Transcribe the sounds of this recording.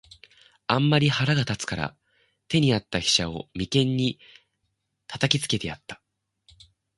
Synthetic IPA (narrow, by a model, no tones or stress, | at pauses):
ãmːaɾʲihaɾaɡat̪at͡sɨ̥kaɾa̰ | t̪e̞ɲ̟iat̪ːaçi̥ɕao̰mʲikẽ̞ɲ̟ːi | t̪ʰat̪akʲit͡sɨ̥ke̞t̪e̞jat̪ːḁ